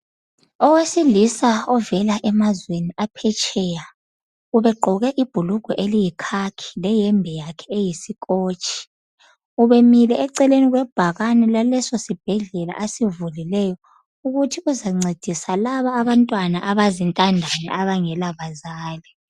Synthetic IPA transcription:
ɔwesilisaɔvɛlaʔɛmazweniapʰɛt͡ʃʼɛja | uβɛɡ͡ǃʱɔɣɛʔib̥ʱuluɡ̥ʱɔʔelijikʰakʰi̥lɛjɛmbʱɛjakʰɛejisikʼoːt͡ʃʼi̥ | uβemilɛːǀɛleniɣwɛb̥ʱaɣanɛlalɛsosib̥ʱɛɮɛla̰ʔesivulilɛjɔ | uɣutʰiuzaŋ͡ǀed̥ʱisalaβaːβantʼwanaʔaβazintʼandʱanɛ̰ʔaβaŋɛlaβazaːlɛ

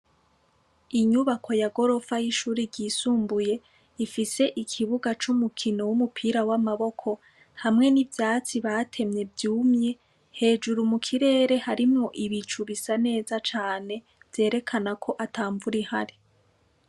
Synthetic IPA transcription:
iɲuβakʰo̞jaɡo̞ɾo̞fajiʃuːɾiɾɟiːsuːmbuje̞ | ifise̞ʔikʰiβuɡat͡ʃumukʰino̞wumupʰiːɾawamaβo̞kʰo̞ | hamŋe̞nivjaːt͡siβatʰe̞mɲe̞vjuːmɲe̞ | he̞ːd͡ʒuɾumukʰiɾe̞ːɾe̞haɾimŋo̞ʔiβit͡ʃuβisane̞ːzat͡ʃaːne̞ | vje̞ːɾe̞kʰanakʰo̞ʔataːɱvuɾiha̰ɾi

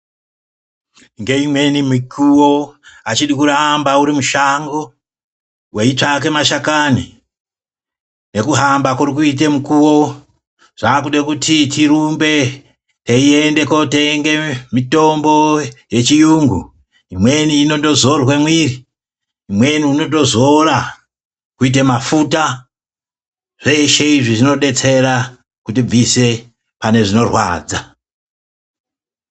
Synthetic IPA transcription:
ŋɡe̞imwe̞nimikʰuwo̞at͡ʃiɗikuɾambauɾimuʃaŋɡo̞ | we̞it͡ʂak̬e̞maʃakani | nekuɦambakurik̬uit̬emukuwo̞ | ʐ̥akuɗekutitiɾumbe̞ | teie̞nde̞ko̞teŋɡe̞mito̞mbo̞je̞t͡ʃijuŋɡu | imweniːno̞to̞zo̞rwe̞mwiri | imwe̞niuno̞t̬o̞zo̞ra | kuit̬emafuta | ʐ̥e̞ʃe̞iʐiʐino̞ɗe̞t͡se̞ɾa | kutib͡vise̞ | pane̞ʐino̞rwa̰ːd͡za

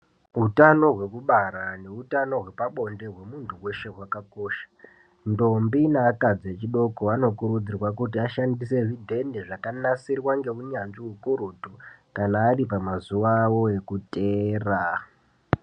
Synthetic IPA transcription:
ɦutano̞ɦwe̞kuɓaɾane̞utano̞ɦwe̞paɓo̞nde̞ɦwe̞muntʰuwe̞ʃe̞ɦwakakoːʃḁ | ndo̞mbinaːkad͡zet͡ʃiɗo̞koano̞kuɾud͡zirwakut̬iaʃandise̞ʐidʱe̞ndeʐakanasirwaŋɡe̞uɲanʐiwukuɾutukanaːripamazuwawo̞e̞kuteːra

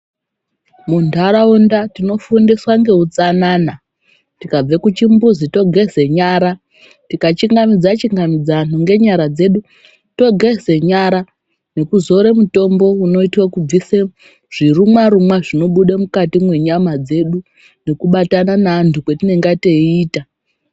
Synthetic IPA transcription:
muntʰaɾaundatino̞fundiswaŋɡe̞ɦut͡sanaːna | tikab͡vekut͡ʃimbuzito̞ɡʱeze̞ɲaːɾa | tikat͡ʃiŋɡamid͡zat͡ʃiŋɡamid͡zanuŋɡe̞ɲaɾad͡ze̞ɗu | to̞ɡʱezeɲaɾa | ne̞kuzo̞ɾemuto̞mbo̞uno̞itwakub͡vise | ʐ̥iɾumwaɾumwaʐino̞ɓuɗamukatimwe̞ɲamad͡ze̞ɗu | ne̞kuɓatananaːntʰukwetineŋɡateiːta

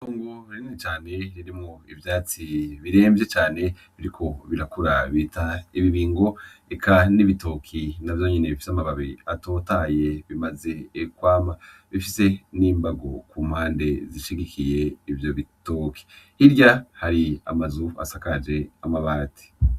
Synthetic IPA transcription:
tuːŋɡoɾiɲinit͡ʃaːne̞ɾiɾimŋoivjaːt͡siβiɾe̞ːmvje̞t͡ʃaːne̞ | βiɾikʰo̞βiɾakuɾaβitaiβiβiːŋɡo̞ekʰaniβito̞kʰinavjo̞ɲene̞βifi̥samaβaβiato̞ːtaːje̞βimaze̞ːkwaːma | βifise̞niːmbaɡo̞kum̥haːnde̞ziʃiɡikʰije̞ivjo̞βitokʰi̥hiɾjahaɾia̰mazua̰sakad͡ʒe̞amaβaːtʰi̥

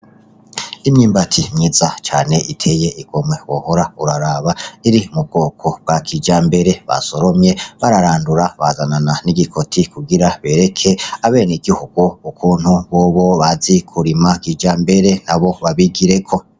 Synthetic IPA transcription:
imɲiːmbatʰimɲiːzat͡ʃaːne̞ʔitʰe̞je̞ʔiɡ̥o̞mwe̞wo̰hoɾauɾaɾaβaiɾimub̚ɡo̞ːkʰo̞b̚ɡ̥akʰid͡ʒaːmbe̞ɾe̞βa̰so̞ɾo̞mɲe̞βaɾaɾaːnduɾaβa̰zanananiɡikʰo̞tʰikuɡiɾaβe̞ːɾe̞kʰe̞aβe̞ːniɡihuɡ̥uukʰuːn̥huβoːβo̞βazikʰuɾimakid͡ʒaːmbe̞ɾe̞naβo̞βaβiɡiɾekʰo̞

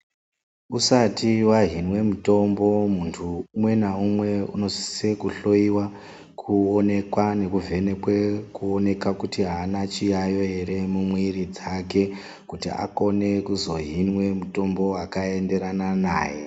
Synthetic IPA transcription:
usatiwaɦinwe̞muto̞mbo̞muntʰumwe̞naumwe̞ṵno̞si̥sekuɬo̞iwa | kʰuone̞kwane̞kuvʱe̞nekwekuone̞kakutiɦaːnat͡ʃijajo̞ɦe̞ɾe̞mumwiɾid͡zak̬e̞ | kutḭa̰ko̞ne̞kuzo̞ɦinwe̞muto̞mbo̞wakae̞nde̞ɾanana̰ːje

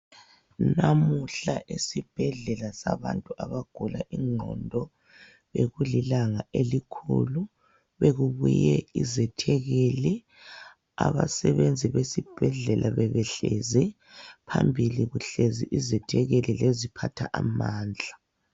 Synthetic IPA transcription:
namuɬaʔesib̥ʱɛɮɛlasaβantʼuʔaβaɡ̥ʱulaʔiŋ͡ǃʱɔ̰ndʱɔ | βeɣulilaŋaelikʰṵlu | βeɣuβujɛizɛtʰɛɣeli | a̰βa̰sɛβend͡zʱiβesib̥ʱɛɮɛlʔaβɛβɛɬɛzɛ | pʰambʱiliɣuɬezḭʔizɛtʰɛɣelilezipʰatʰaʔamaːnd͡ɮʱa

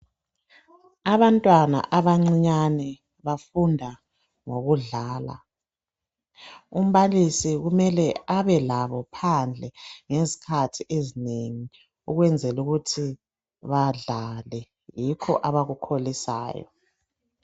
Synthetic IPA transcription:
aβantʼwana̰ʔaβaŋ͡ǀiɲanɛ | βafundʱa | ŋoɣuɮaːla̰ | um̩βalisiɣumɛlɛaβɛlaβɔpʰand͡ɮʱɛŋezi̥kʰatʰiʔezineŋi | uɣwɛnd͡zʱɛluɣutʰi | βaɮalɛ | jikʰɔ̰ʔaβaɣukʰolisa̰ːjɔ̰

